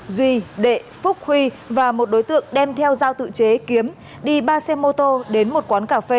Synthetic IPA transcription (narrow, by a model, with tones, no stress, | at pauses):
zwi˧ɗḛ˧˨fʊ˦˥k̚hwi˧ | vaː˨˩mo˨˩t̚ɗo˨˦jt̪ɨ̰˧˨əŋɗɛ˧mt̪ʰɛ˧wzaː˧wt̪ɨ̰˧˨t͡ɕe˨˦ki˨˦əm | ɗi˧ɓaː˧sɛ˧mo˧t̪o˧ɗe˨˦nmo˨˩t̚kwaː˨˦nkaː˧˩fe˧